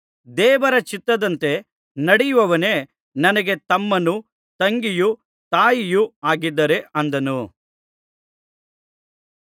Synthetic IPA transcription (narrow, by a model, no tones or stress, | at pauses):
d̪ɛːʋɐɾɐt͡ʃit̪ːɐd̪ɐnt̪e̞ | nɐɽijuʋɐʋɐne | nɐnɐɡe̞t̪ɐmːɐnu | t̪ɐŋɡiju | t̪aːjijuaːɡid̪ːɐɾe̞ʔɐnd̪ɐnu